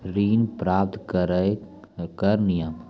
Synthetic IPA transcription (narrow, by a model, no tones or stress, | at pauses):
ɾiːnpɾaːp̚t̪k | kəɾnɪjəm